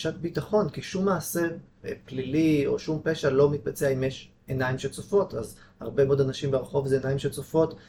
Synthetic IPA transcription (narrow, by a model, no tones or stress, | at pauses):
ʃat̚bitaχo̞nkiʃumːaːse̞ʁplilio̞̰ʃumpeʃalo̞mit̪̚bat͡seaimeʃ | enaimʃet͡sofo̞taz | ha̰ʁbe̞modanaʃimbeʁeχo̞vzeːnaimʃet͡sofo̞t